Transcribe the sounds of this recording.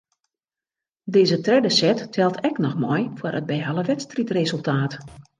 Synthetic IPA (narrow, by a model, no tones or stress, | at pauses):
dɪːzətrɛdəsɛtːʰɛlˠtʰɛknɔxmɔjfwərəd̚bɛjɦalˠəʋɛtstritrezɵlˠtʰaːt